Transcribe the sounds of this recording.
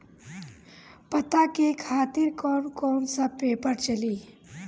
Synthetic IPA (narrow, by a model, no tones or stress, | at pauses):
pət̪akekʰaːt̪ɪɾkɔːnkɔːnsəpeːpəɾt͡ʃəliː